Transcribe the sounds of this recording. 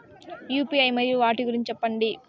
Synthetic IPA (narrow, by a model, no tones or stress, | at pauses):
juːpiːɐjmɐd̪jluʋaːʈiɡuɾiɲt͡ʃːt͡ʃɛpːɐɳɖi